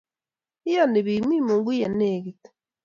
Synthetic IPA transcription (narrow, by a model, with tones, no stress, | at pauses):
i˦ja˦˨ne˨βi˨mwi˦mu˨ŋɡi˦ja˨ne˦˨ɡi˨t